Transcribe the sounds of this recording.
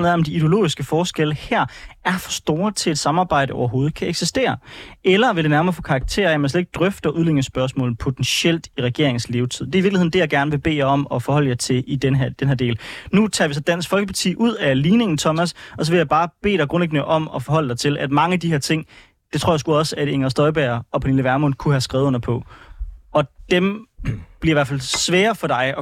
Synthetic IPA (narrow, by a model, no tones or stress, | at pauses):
nðˠɒ̽md̥iːd̥eo̝lo̝̰ːisɡ̥əfɒːsɡ̥eləhæɐ̰æɐfɒ̽sd̥o̝ːɐt͡sʰe̝le̝d̥sɑ̈mɑ̈ːb̥ɑ̈ɪ̰ɾ̥əɒʊɐɦo̝ːð̞̩ˠkʰæeɡ̥sisd̥e̝̰ːɐelɐʋeld̥enæɐmɐːfɔ̽ːkʰɑ̈ɑɡ̥̚t͡sʰe̝̰ːɐjæmænsled̥e̝ɡ̥̚d̥ʁœfd̥ɐʔuðˠle̝ŋ̰ŋəsb̥ɶɐsmɔ̰̽ːln̩ˠpʰo̝t͡sʰensel̰d̥iʁɛɡ̥e̝ɐ̰e̝ŋ̩sle̝ːʊt͡sʰið̰ˠdeɐiiɐɡlihend̥e̝jɑ̈ɡ̥æɐnəʋe̝b̥e̝̰ːjɒ̽mɒ̽fɒ̽hɒ̽l̰əjɑɪt͡sʰe̝lid̥ed̥enheæɐd̥e̝̰ːlnut͡sʰɑ̰ːʋis̬ɒ̽d̥æn̰sɡ̥fɒ̽lɡ̥əpʰɑ̥̈t͡sʰḭːʔuð̞̰ˠæliːne̝ŋn̩t͡sʰɒ̽mæsɒ̽s̬ɒʋe̝jɑ̈ɪb̥ɑ̈ːb̥e̝̰ːd̥ɑɡ̥ʁɔ̽nleɡ̥nəʔɒ̽m̰ɒ̽fɒ̽ɦɒ̽l̰d̥ɑ̈ɪt͡sʰe̝lʔæd̥mɑ̈ŋəæd̥iheɐt͡sʰe̝ŋ̰ | d̥e̥t͡sʰo̝ɐ̰jɑsɡ̥uɒ̽sæd̥eŋɐsd̥ɒ̽ɪb̥æɐɒ̽pʰæniləʋæɐmɔnkʰuhæsɡ̥ʁɛːðˠɔn̰ɐpʰɒ̽ | ɒ̽d̥emb̥liɐiʋæɐfæl̰sʋɛːɐfɒ̽ɾ̥ɑ̈ɪɒ̽